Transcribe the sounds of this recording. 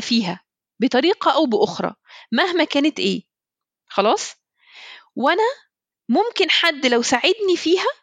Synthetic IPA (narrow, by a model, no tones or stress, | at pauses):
fiːɦæ | bet̪ˤɑɾiːqɑʔæwbeʔoxɾˤɑ̰ːmæhmækæːnet̪ʔeː | xɑlɑːsˤ | wænæ | momkenħad̪ːlæwsaʕed̪nifiːɦæ